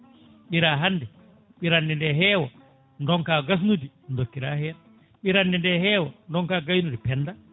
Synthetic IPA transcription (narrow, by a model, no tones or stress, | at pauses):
ɓiɾaɦanːdɛ | ɓiɾandɛndɛɦɛːwa | ndɔŋkaːɡas̬nudi | ndokːiɾahɛːɾa | ɓiɾandɛndɛhɛːwandɔŋkaːɡajnudipɛnːda